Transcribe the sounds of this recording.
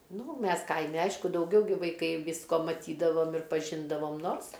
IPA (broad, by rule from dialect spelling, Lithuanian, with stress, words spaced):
ˈnʊ ˈmʲɛs ˈkɐɪmʲɛ ˈɐɪʃkʊ dɐʊˈɡʲɛʊ ɡʲɪ ʋɐɪˈkɐɪ ˈʋʲiːskoː mɐˈtʲiːdɐʋoːm ɪr pɐˈʒʲɪndɐʋoːm ˈnoːrs